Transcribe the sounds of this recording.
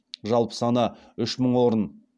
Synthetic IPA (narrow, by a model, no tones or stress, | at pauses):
ʒɑlˠpə̥sɑnɑ | ʏʃməɴwo̞ɾən